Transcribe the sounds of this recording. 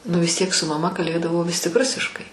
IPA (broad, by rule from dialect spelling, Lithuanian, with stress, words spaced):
ˈnʊ ʋʲɪs ˈtʲiɛk sʊ mɐˈmɐ kɐlʲˈbʲeːdɐʋoː ˈʋʲɪs tʲɪk ˈrʊsʲɪʃkɐɪ